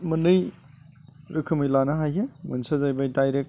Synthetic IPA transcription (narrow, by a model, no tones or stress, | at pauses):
mɯnɯj | ɾɯkʰɯmɯjlanɐɦajɦemɯ̰nsazajbajdajɾek̚